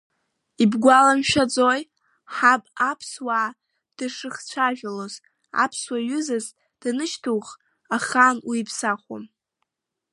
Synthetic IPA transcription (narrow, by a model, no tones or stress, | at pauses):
ibɡʷalamʃᶣad͡zoj | ħapʼapʰswa | d̥ɨʂɨχt͡ɕʷʰaʒᶣaloz | a̰pʰswaɥʏzɨz | d̥nɨʃtʰuwχ | aχanwiipʰsaχʷo̰m